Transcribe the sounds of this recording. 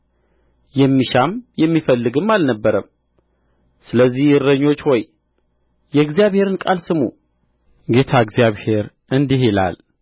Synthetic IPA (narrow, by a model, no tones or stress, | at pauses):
jɛmːiʃamjɛmːifəlːɨɡɨmːalnəbːəɾəm | sɨləzːihɨɾːəɲːo̞t͡ʃːho̞j | jɛɨɡzijaβhe̞ɾɨnkʼalsɨmu | ɡe̞t̪ʰaɨɡzijaβhe̞ɾ | ʔɨnd̪iɦela̰l